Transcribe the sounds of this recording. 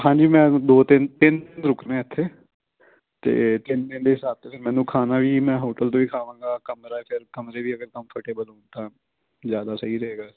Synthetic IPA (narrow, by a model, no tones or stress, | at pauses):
ɦãːɲd͡ʒiːmɛ̃ːd̪oːt̪ɪnt̪ɪnt̪ɪnɾʊknẽːɪt̪ʰːeː | t̪ḛːt̪ɪnt̪ɪnd̪eːsaːt̪eːpʰɪɾmɛ̃ːnũːkʰaːnaːʋiːmɛ̃ːɦoːʈəlt̪õːʋiːkʰaːʋãːŋɡaːkəmɾaːpʰɪɾkəmɾeːʋiːəɡəɾkə̃mpʰəʈeːbəlũːnt̪ãː | zjaːd̪aːsəɦiːɾəɦeːɡaː